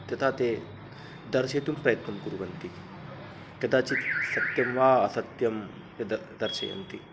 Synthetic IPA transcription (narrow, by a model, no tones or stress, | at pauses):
t̪jɐt̪ʰat̪e | d̪ɐɾset̪umpɾɐjɐt̪nɐmkuɾuʋɐnt̪i | kɐd̪at͡ɕisɐt̪jɐmʋaːɐsɐt̪jɐm | ed̪ɐd̪ɐɾsḛɐ̰nt̪i